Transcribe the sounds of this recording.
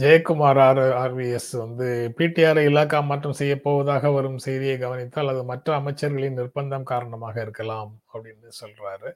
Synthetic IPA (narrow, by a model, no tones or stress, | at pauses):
d͡ʒejɐkːɯmaːɾaːɾaːɾʋiɛsʋɐnd̪ɯpiːʈːijaːɾɐɪɪlːaːkːaːmaʈrɯmsɛjːɐpːoːʋɐðaːɣɐʋɐɾɯmsɛjðɪjɐɪɡɐʋɐnɪt̪ːɯɐlːɐðɯmɐʈrɐːmɐɪt͡ʃːɐɾɣɐɭɪnnɪrbɐnd̪ɐmkaːɾɐɳɐmaːɣɐɪɾɯkːɐlaːmɐpːɐɽɪnːɯsɔlɾaːɾɯ